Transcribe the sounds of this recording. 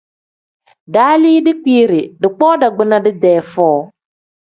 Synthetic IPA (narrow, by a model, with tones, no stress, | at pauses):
daː˨˦liː˦dɪ˦k͡pi˦ɾɪ˨dɪ˨k͡pɔː˦da˨ɡ͡bɪ˦na˦dɪ˦dɛː˨˦˨fɔː˦